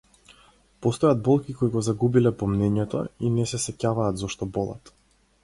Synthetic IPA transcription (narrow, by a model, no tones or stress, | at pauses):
pɔst̪ɔjad̪̚bɔlˠkʲikoiɡɔzaɡubilɛpɔmnɛɲɛt̪ɔ̰inɛsɛsɛcavaːd̪zɔʃt̪ɔbɔlˠa̰t̪